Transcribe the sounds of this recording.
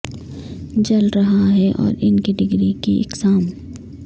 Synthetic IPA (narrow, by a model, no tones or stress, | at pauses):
d͡ʒɐlɾɐɦaaɦɛʔɔ̰ːɾɪnkiɖɪɡɾikiɪ̰qsaːm